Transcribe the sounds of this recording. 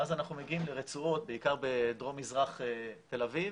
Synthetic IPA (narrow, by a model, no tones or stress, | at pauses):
azanaχnumeɡiimleʁet͡suo̞t̪̚beikaʁbed̪ʁo̞mizʁaχet̪e̞laviv